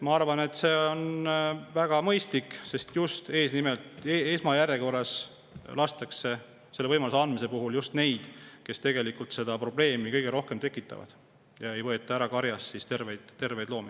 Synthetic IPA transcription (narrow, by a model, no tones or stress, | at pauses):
mɑɑrvɑne̞t̪ːse̞ːonvæɡ̥ɑmɤjst̪likːse̞st̪just̪e̞ːsnime̞lt̪eesmɑjæɾjeko̞rɑs | lɑst̪ɑkse̞ | selːevɤjmɑluseɑnd̪mise̞puɦuljust̪ne̞jd̪̥ke̞st̪e̞ɡ̥e̞likult̪se̞d̪̥ɑpro̞ble̞ːmikɤjɡ̥e̞ɾo̞hke̞mt̪e̞kːˑit̪ːˑɑ̰vɑ̰d̪̥ | jɑe̞jvɤe̞t̪ːˑɑæɾɑkɑɾjɑsːist̪e̞rvejd̪̥t̪ːe̞rve̞jd̪̥lo̞ːmi